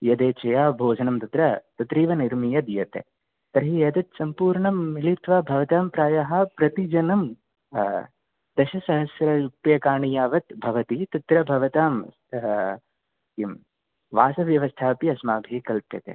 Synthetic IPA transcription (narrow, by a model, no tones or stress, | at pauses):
jɐd̪eːt͡ʃɐjaːbʱoːd͡ʒʱɐnɐmt̪ɐt̪ɾɐt̪ɐt̪ɾiːʋɐniɾmijɐd̪ijɐt̪ḛ | t̪ɐɾɦijɐt̪ɐt̪sɐmpuːɾɳɐmːilit̪ʋabʱɐʋɐt̪aːmpɾaːjɐɦɐ̆pɾɐt̪id͡ʒɐnɐm | d̪̥ɐʃɐsɐɦɐsjɾɐjupjɐkaːɳijaːʋɐt̪bʱɐʋɐt̪it̪ɐt̪ɾɐbʱɐʋɐt̪aːm | im | ʋaːsɐʋjɐʋɐst̪ʰaːpiɐsmaːbʱiːkɐlpjɐt̪ḛ